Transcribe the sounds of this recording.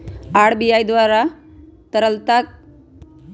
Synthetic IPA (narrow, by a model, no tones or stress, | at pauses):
aɽ̤bijajd̪ʋaɾat̪əɾəlt̪ak̚